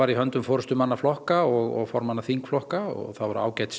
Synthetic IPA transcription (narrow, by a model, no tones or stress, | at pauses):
aɾiɦœnt̪ʏmfoːɾʏst̪ʏmanːaflɔhkaɔɣɔ̰ɣfɔɾmanːaθiŋkflɔhkaɔ̰ɣθawvɛɾʏa̰ːwcaːjt̪s